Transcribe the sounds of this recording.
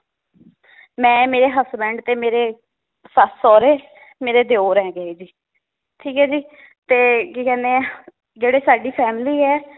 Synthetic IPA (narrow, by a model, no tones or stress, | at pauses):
mɛ̃ːmeːɾeːɦəsbɛ̃ːɳɖt̪eːmeːɾeː | sasɔːɾeː | meːɾeːd̪eoːɾɛ̃ːɡəeːd͡ʒiː | ʈʰiːkɛːd͡ʒiː | t̪eːkikɛ̃ːneː | d͡ʒeːɽeːsaːɖiːpʰɛːmliːɛː